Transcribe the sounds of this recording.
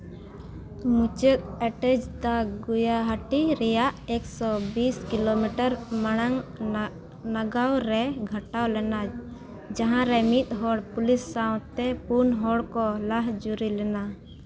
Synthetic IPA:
mut͡ʃək̪̚ɛʈɛd͡ʒd̪aɡujaɦaʈiɾɛjaʔɛksɔbiskilomiʈəɾmaɽ̃aŋ | naɡawɾɛɡʱaʈawlɛna | d͡ʒaɦãɾɛmit̪̚ˀɦɔɽpulisːawʈt̪ɛpunɦɔɽkɔlaɦd͡ʒuɾilɛna

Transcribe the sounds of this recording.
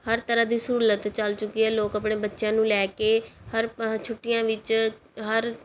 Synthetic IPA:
həɾt̪əɾaːd̪iːsəɾuːlət̪t͡ʃəlt͡ʃʊkːiːɛːloːkəpɳeːbətːʃjãːnũːlɛːkeːhəɾt͡ʃʰʊʈːɪjãːʋɪt͡ʃ | ɦəɾ

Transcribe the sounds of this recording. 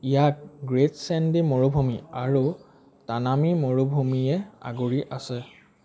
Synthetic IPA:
ijak̚ɡɹetsɛndimɔɹobʱumiaɹu | tanamimoɹobʱumiɛa̰ɡoɹiʔasɛ

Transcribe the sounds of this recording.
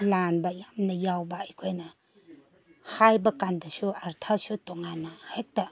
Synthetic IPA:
lanbajamnɐjawbaikʰɔjna | hajbɐkandasuaɾtʰasutɔŋanahek̚ta

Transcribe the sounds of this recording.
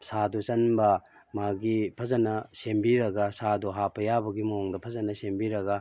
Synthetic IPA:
sadut͡ʃɐnbɐ | maɡipʰɐzɐnɐsembiɾɐɡɐsaduɦapʰɐjabɐɡimoŋdɐpʰɐzɐnɐsembiɾɐɡɐ

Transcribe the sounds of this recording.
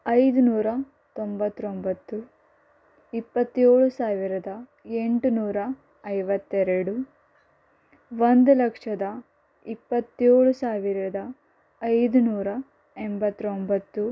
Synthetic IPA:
ɐjd̪unuːɾɐ | t̪ombɐt̪ːɾombɐt̪ːu | ipːɐt̪ːe̞ːɭusaːʋiɾɐd̪ɐ | e̞ɳʈunuːɾɐ | ɐjʋɐt̪ːeɾeɽu | ʋond̪ulɐkʂɐd̪ɐ | ipːɐt̪ːe̞ːɭusaːʋiɾɐd̪ɐː | jd̪unuːɾɐ | embɐt̪ːɾombɐt̪ːu

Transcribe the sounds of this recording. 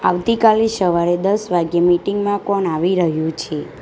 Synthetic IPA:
a̰ʋt̪ikalisəʋaɾed̪əsʋaɡjemiʈiŋɡmãkɔɳaʋiɾəɦjũt͡ʃʰe

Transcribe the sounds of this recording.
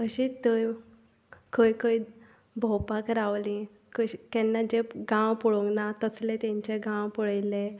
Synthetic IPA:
əɕit̪əj | kʰəjkəj̪ | bʱɔwpakɾaʋlĩ | kəɕkɛnːad͡ʑeɡãwpuɭoŋɡnat̪əslẽt̪ẽɲt͡ɕeɡãwpuɽajle

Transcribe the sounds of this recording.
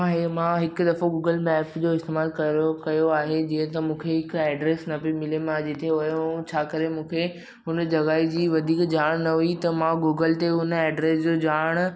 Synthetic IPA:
aːɦemãɦɪkd̪ɐfoɡuːɡəlmɛːpd͡ʑoːɪst̪eːmaːlkɐokɐjoaːɦed͡ʑĩːə̃t̪̬ɐmũːkʰeɦɪkɛːɖɾeːsnɐpimɪlemãd͡ʑet̪ʰeʊ̃t͡ɕʰaːkɐɾemũːkʰe | ɦʊnd͡ʑɐɣaːid͡ʑiːʋɐd̪ʱiːkd͡ʑaːɽ̃nɐɦuit̪ɐmãɡuːɡəlt̪eʊnɛːɖɾeːsd͡ʑoːd͡ʑaːɽ̃

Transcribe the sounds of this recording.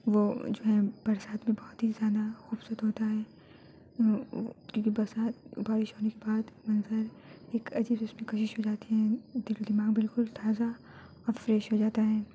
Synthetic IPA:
ʋod͡ʒoːɦɛb̥ɐɾsaːt̪mẽbɔːʊt̪ɦizjaːd̪axuːbsət̪ɦoːt̪aɦɛː | kjõːkibɐɾsaːt̪̚baːɾɪʃɦoːnekebaːd̪mɐnzəɾ | eːkʰɐd͡ʒiːbeʊsmẽkɐʃɪʃɦod͡ʒaːt̪eɦɛ̃d̪ɪld̪ɪmaːɡbɪlkʊlt̪ʰaːza | ɔɾfɾɛːʃɦod͡ʒaːt̪aɦɛː

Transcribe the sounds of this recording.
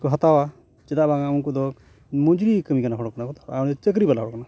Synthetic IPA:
kɔɦat̪awa | t͡ʃɛdaʔbaŋamunkɔd̪ɔ | mud͡ʒɾikəmikanaɦɔɽɔkanakɔt̪ḁɾa̰nɔt͡ʃək̬ɾibalaɦɔɽɔkana

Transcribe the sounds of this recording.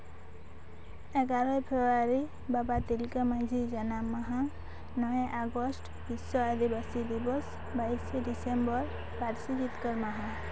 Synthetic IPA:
ɛɡaɾɔpʰebaɾi | babat̪ilkemad͡ʒʱid͡ʒanamaɦã | nɔẽʔaɡɔsʈ | bisɔad̪ibasid̪ibɔs | bajsɖisembɔɾ | baɾsid͡ʒit̪kəɾmaɦã

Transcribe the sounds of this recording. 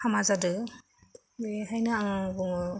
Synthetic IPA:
hamazadɯ | eɦajna

